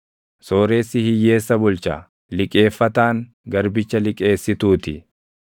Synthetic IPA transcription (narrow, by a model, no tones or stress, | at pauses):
soːɾe̞ːsːɪhɪjːe̞ːsːɐbʊlt͡ʃa̰ː | lɪkʼe̞ːfːɐt̪aːŋ | ɡɐɾbɪt͡ʃːɐlɪkʼe̞ːsːɪt̪uːt̪ɪ